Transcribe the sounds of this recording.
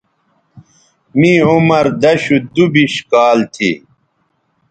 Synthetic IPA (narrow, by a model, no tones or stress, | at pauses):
mĩumɐɾd̪ɐɕud̪ubiɕkaːlt̪ʰḭ